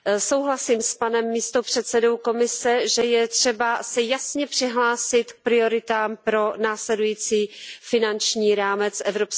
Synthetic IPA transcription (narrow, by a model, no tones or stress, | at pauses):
so̞wɦlasiːmspanɛmːiːst̪o̞pr̝̥ɛt̪sɛdo̞wko̞mɪsɛʒɛjɛt̪r̝̥ɛbasɛjasɲɛpr̝̥ɪɦlaːsɪt̪k̚pɾɪo̞ɾɪt̪aːmpɾo̞naːslɛdujiːt͡siːfɪnant͡ʃɲiːɾaːmɛt͡sʔɛvɾo̞ps